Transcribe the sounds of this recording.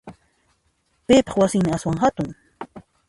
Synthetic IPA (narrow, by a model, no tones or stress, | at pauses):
pɪːpɑχwasɪŋmɪaswaŋhat̪ʊŋ